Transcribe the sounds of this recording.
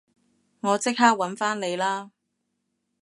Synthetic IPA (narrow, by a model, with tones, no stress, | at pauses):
ŋɔː˨˧t͡sɪ˥k̚ɦaː˥k̚wɐ˨˥nfaː˥nle˨˧jlaː˥